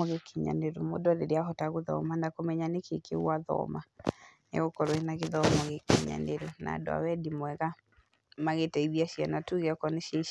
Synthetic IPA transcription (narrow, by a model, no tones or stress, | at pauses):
ɔɣekiɲa̰neɾomo̰dɔɾeɾeaɦɔtaɣoðɔ̰manakomɛɲanekekḛwaðɔ̰manḛɣokɔɾwenaɣeðɔmɔɣekiɲa̰neɾona̰ːdoa̰wɛdimwɛɣa | maɣetɛiðiaʃianatuɣɛkɔneʃa